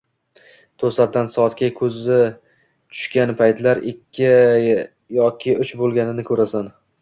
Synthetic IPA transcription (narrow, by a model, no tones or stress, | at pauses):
t̪ʰosat̪̚d̪ansɒɒt̪kʲakʲʰɵzɪ | t͡ʃ̪ʰʊ̥ʃkʲanpʰajt̪laɾɪkʲʰːɪ | jɒkʲʰɪʊt͡ʃbolˠɡʲanɪnɪkʲʰɵɾasan